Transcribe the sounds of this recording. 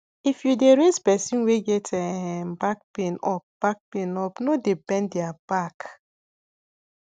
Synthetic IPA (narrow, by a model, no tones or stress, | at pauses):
ifjudeɾezpɛsĩnweɡɛtɛɛmbak̚penɔp̚b̥ak̚penɔpnodebɛ̃ndiabak